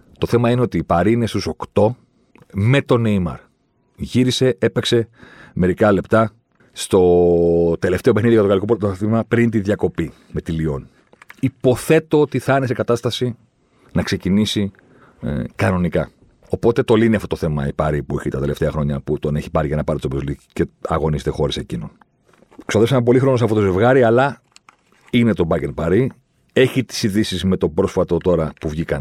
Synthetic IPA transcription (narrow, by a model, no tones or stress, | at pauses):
t̪o̞θe̞mɐineo̞t̪iːpɐɾiːne̞st̪uso̞kt̪o̞ | me̞t̪o̞nejmɐ̰ɾ | ʝiɾise̞ʔepekse̞me̞ɾikɐle̞pt̪ɐ | st̪o̞t̪e̞le̞ft̪eopexniðioɐt̪oɣɐlikoɾθimɐpɾint̪iðʝɐko̞pi | me̞t̪ilio̞n | ipo̞θe̞t̪o̞ot̪iθɐnesekɐt̪ɐst̪ɐsi | nɐkse̞cinisi | kɐno̞nikɐ | o̞po̞t̪e̞t̪o̞liniɐft̪otoθe̞mɐ̰ipɐɾipueçit̪ɐt̪e̞le̞ft̪eɐxɾo̞ɲɐput̪o̞ne̞çi̥pɐɾiʝɐnɐpɐɾit̪t̪oboliceɐ̰ɣo̞niset̪exo̞ɾese̞cino̞n | ksoðesɐmp̬o̞lixɾo̞nos̬ɐfot̪o̞ze̞vɣɐɾiɐlɐ | inet̪o̞bɐcenpɐɾi | e̞çit̪i̥siðisizme̞t̪o̞pɾo̞sfɐt̪o̞t̪o̞ɾɐpuvʝikɐ